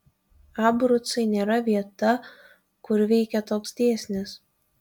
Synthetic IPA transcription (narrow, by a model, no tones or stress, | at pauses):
ɑːbɾʊt̪sɐɪnʲeːɾɐʋʲiɛt̪ɐ | kʊɾʋʲɛɪkʲɛt̪oːksd̪ʲeːsʲnʲɪs